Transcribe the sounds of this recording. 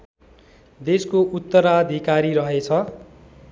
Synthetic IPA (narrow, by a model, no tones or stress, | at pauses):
d̪eskoʔut̪ːʌɾad̪ʱikaɾiɾʌɦet͡sʰʌ